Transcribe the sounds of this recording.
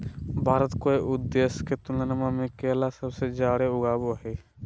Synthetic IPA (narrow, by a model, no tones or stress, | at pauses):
bʱaːɾət̪koeʔʊd̪esket̪ʊlənəmamẽkeːlasəbsed͡ʒaːɽeʊɡaːboɦɛ